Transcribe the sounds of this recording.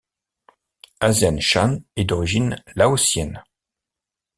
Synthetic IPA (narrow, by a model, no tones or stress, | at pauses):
azjanʃanɛd̪ɔʁiʒinlaosjɛn